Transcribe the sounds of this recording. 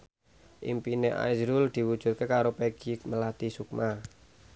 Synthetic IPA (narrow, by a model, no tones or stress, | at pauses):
ʔḭmpineʔa̰jzɾuld̪̥i̤wud̥ʒ̥ṳt̪̚kekaɾopeɡ̥ikməlat̪isuk̚ma